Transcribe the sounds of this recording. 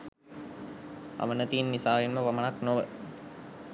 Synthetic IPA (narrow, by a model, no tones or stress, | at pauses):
a̰mənət̪iːnːisaːʋenməʋamənaknoʋə